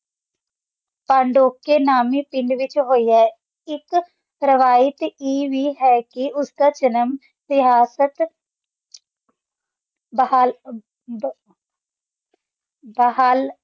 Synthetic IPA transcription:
paːɳɖoːkːeːnaːmeːpɪɳɖʋɪt͡ʃɦoːiːɛː | ɪk | ɾəʋaːjət̪eːʋiːɦɛːkɪʊskaːt͡ʃənəm | sɪɦaːsət̪ | bəɦaːl

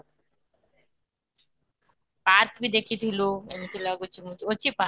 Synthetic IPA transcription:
paɾkbid̪ekʰit̪ʰiloemit̪ʰilaɡut͡ɕimuot͡ɕipa

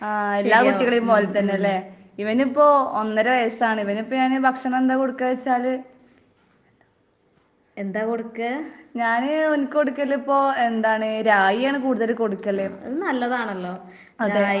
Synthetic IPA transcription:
aːelːaːkuʈːiɣɐɭejumpoːlɐt̪ːɐnːeɐlːe | iʋɐnipːo̞ːonːɐɾeʋɐjɐsaːɳɨiʋɐnipːoɲaːnɨbʱɐkʂɐɳɐme̞nd̪aːkoɽukːɐʋɐt͡ɕːaːlɨ | end̪aːkoɽukːɨɲaːnɨonikʲːkoɽukːɐlːɐipːo̞ːe̞nd̪aːɳɨɾaːjijaːɳɨkuːɽuðɐlko̞ɽukːɐlːeɐ̰ðɨnɐlːɐðaːɳɐlːoː | ɐðɨ

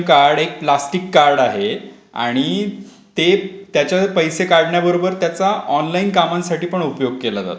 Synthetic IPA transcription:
kaɾɽek̚plasʈikːaɾɖaɦe | a̰ɽ̃i | t̪et̪jat͡ɕjapəjsekaɾɽɳjabəɾobəɾt̪jat͡saɔnlainkamãnsaʈiːpəɳupjoɡ̚kelat̪a̰t̪

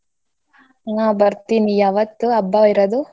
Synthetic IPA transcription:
ŋabɐɾt̪inijaːʋɐt̪ːuɐbːaiɾɐd̪u

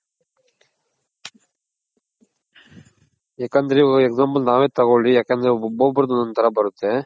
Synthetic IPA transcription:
eːkːɐnd̪ɐɾiɐeɡzaːmpɐlnaːʋeːt̪ɐɣoɭieːkːɐnd̪ɾeboːbɐɾd̪unɐnt̪ɐɾɐbɐɾut̪ːe

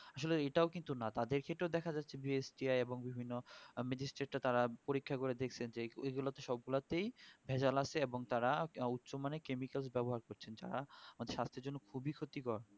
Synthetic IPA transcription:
aʃoleeʈaokint̪unat̪ad̪eɾkʰeʈeod̪ɛkʰad͡ʑatːɕʰebiesʈiajeboŋbibʱinːomɛd͡ʑisʈɾeʈːat̪aɾapoɾikʰːakoɾed̪ekʰt͡ɕʰend͡ʑeeɡulat̪eʃɔb̚ɡulat̪ejbʱɛd͡ʑalat͡ɕʰeeboŋt̪aɾaut̪ːʃomanekemikalsbɛboɦaɾkoɾt͡ɕʰend͡ʑa̰ɾaamad̪eɾʃast̪ʰeɾd͡ʑonːokʰubikʰot̪ikɔɾ

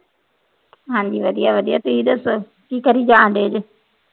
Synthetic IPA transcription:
ɦãːɲd͡ʑiːʋəd̪ijaʋəd̪ijat̪uiɗ̪əso | ʈiːkːəɾiːd͡ʒãːnd̪eːd͡ʒ

